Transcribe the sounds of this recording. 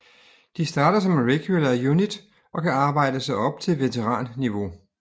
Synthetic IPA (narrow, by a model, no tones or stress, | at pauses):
d̥isd̥ɑ̈ːɾ̥ɐsɒ̽mʁɛɡ̥julɐjunid̥ | ʔɒ̽kʰæɑ̈ːb̥ɑ̈ɪ̰d̥əsɒɒ̽b̥̚t͡sʰe̝lʋe̝t͡sʰeʁɑ̰̈ːnːiʋo̝